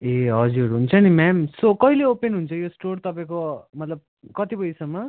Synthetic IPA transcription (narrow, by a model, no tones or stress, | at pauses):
eɦʌd͡zuɾɦunt͡sʰʌnimamsokʌɦileopenɦunt͡sʰʌjosʈort̪ʌpaẽkomʌt̪lʌb̚ | kʌt̪ipʌjsʌmːʌ